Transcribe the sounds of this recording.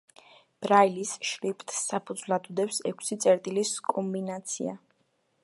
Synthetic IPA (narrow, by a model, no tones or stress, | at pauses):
b̥ɾailisʃɾipʰʼt̪ʰʼːapʰud̪zvlˠad̪ud̪ɛpsɛkʰsit̪sʼɛɾt̪ʼiliskʼɔmbinat̪sʰḭa̰